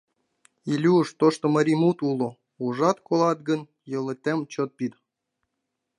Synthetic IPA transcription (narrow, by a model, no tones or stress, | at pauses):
ilʲuʃt̪oʃt̪oməɾʲimut̪ulo | uʒɑt̪kolˠɑt̪̚ɡən | jɤ̆lĕt̪ʲemt͡ɕot̪̚pid̪